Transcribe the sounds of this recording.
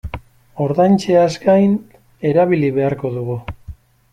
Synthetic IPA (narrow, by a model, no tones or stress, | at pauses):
o̞ɾðajnt͡ʃe̞azɡajn | e̞ɾaβiliβe̞aɾko̞ðuɣu